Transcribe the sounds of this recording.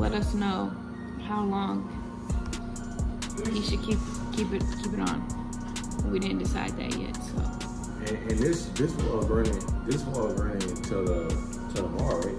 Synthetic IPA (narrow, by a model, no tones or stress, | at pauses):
lɛ̰ɾʌsnoʊ | haʊlɔ̃ŋ | hiʃɨd̚kʰip̚ | kʰipɨɾ̚kʰipɨɾn̩ | widɪdⁿn̩dɨsa̰ɪd̪̚ðɨ̰ʔjɛ̰t̚soʊ | ɨ̃nɨ̃nðɪsðɪswɔlˠɡɹɪ̃ŋɪ̃ŋðɪswɔlˠɡɹɪ̃ŋɪ̃ŋtʰəðə | tʰəðəmɑɹ